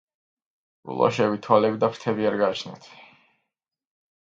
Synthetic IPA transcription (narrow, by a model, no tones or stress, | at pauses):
bṵlˠʔa̰ʃɛvit̪ʰwalɛbid̪apʰɾt̪ʰɛbiaɾɡaːt͡ʃʰnɛ̰t̪ʰ